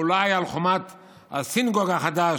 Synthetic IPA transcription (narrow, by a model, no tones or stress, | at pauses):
ulajalχomat̪ | a̰sinɡoɡaχad̪a